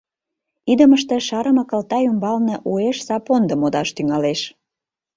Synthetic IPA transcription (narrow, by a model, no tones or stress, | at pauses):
id̪əməʃt̪ĕʃɑɾəmɑkəlt̪ɑjumbɑlneʔueʃsɑpond̪əmod̪ɑʃt̪yŋɑleʃ